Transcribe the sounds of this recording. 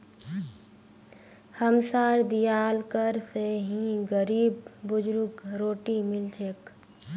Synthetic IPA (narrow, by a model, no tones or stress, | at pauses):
həmsaːɾd̪ijaːlkəɾseɦĩɡəɾiːbːʊd͡ʒɾʊkɾoːʈimɪlt͡ʃʰek